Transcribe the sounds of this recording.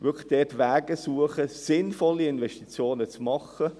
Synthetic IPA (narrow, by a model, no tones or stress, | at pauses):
ʋʏkʰlə̥χd̥ɛtʋæːɡəsuəχəsɪnfɔlːiɪnʋɛʃtit͡sjoːnət͡smɑχːə